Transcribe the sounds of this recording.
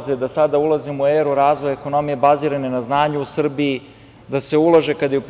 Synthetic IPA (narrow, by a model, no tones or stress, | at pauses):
zed̪asad̪aulˠazimueɾuɾaːzʋo̞jeko̞no̞mije̞baziːɾanenaznaːɲuusr̩biː | d̪ase̞ulˠaʒe̞kad̪ajeup